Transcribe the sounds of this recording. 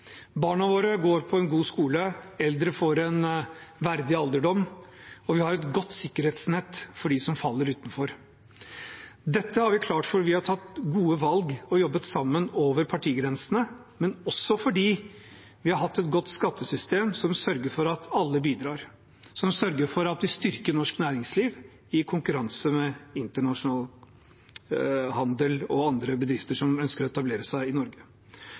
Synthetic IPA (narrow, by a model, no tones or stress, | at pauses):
bɑːɳɑʋoːɾəɡoːɾpʰɔɛnɡuːskuːləɛld̪ɾəfɔɾɛnʋæɾd̪ɪɑld̪əɖɔmːɔʋɪhɑɾɛt̪ɡɔt̪ːsɪkːəɾheːt̪snɛt̪ːfɔɖisɔmfɑlːəɾʉːt̪nfɔɾ | d̪ɛt̪ːəhɑɾʋɪkʰlɑːʈfɔɾʋɪhɑɾʈʰɑt̪ːɡuːəʋɑlɡɔjɔbːət̪sɑmːənoːʋəɾpʰɑʈʰiːɡɾɛnsənə | mɛnɔsːɔfɔɖiː | ʋɪhɑɾɦɑt̪ːɛt̪ɡɔt̪ːskɑt̪ʰːəsʏst̪eːmsɔmsœɾɡəfɔɾɑt̪ʰɑlːəbiːd̪ɾɑːɾ | sɔmsœɾɡəɾfɔɾɑt̪ʋɪst̪ʏɾkənɔʂknæːɾɪŋsliːʋ | ɪkʰʊŋkʉɾɑnsəmɛɪnt̪əɳɑʂʊnɑːl | hɑnd̪əlɔɑnd̪ɾəbəd̪ɾɪft̪əʂɔmœnskəɾɔɛt̪ɑbleːɾəsæɪɪnɔɾɡə